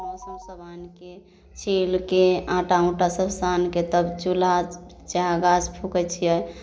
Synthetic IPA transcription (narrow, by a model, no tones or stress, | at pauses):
ɔ̃səmsəbʱanke | t͡ʃʰilkeãʈaũʈasəbsanket̪əbt͡ʃulad͡ʒ | t͡ʃaɡaspʰukət͡ʃʰijə